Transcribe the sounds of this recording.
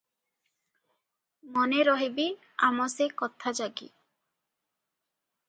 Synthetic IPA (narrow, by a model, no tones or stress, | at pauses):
mɔneɾɔɦibi | a̰mɔsekɔt̪ʰad͡ʒaɡḭ